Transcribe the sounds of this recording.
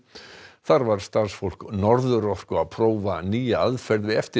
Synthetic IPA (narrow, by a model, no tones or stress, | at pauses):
θaɾvaɾ̥st̪aɾ̥sfowl̥knɔɾðʏɾɔhkʏaðpʰɾoːwvaniːjaaðfɛɾðvɪðɛft̪ɪ